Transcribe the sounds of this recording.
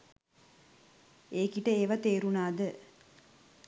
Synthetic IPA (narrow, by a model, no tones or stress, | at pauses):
eːkiʈəeːʋat̪eːɾunaːd̪ə